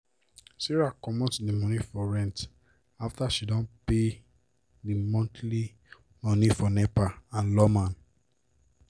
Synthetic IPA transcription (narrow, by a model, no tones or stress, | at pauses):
siɹakɔmɔ̃tdimɔnifɔɹɛ̃nt | aftaʃidɔ̃npe | dimɔ̃ntʰli | mɔ̃nifɔnɛpaãnlɔmãn